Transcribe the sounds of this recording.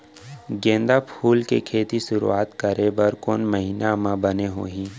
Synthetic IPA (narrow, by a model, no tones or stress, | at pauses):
ɡẽːnd̪apʰuːlkekʰeːt̪iʃʊɾṵaːt̪kɐɾebəɾkoːnməɦiːnamãbɐneɦoːɦĩː